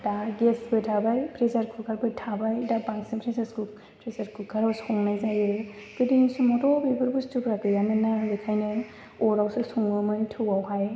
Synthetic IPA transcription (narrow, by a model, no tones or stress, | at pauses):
d̥aɡesbɯtʰabajpʰɾezaɾkʰukʰaɾbɯtʰabajdabaŋsimpʰɾesasku | pʰɾezaɾkʰukʰaɾawsɔŋnajzajɯ | kɯdinisumɔdɔbebɯɾbustupɾakɯjamɯnalɯkʰajnɯ | ɔɾawsɯsuŋɯmɯntʰɯwawhaj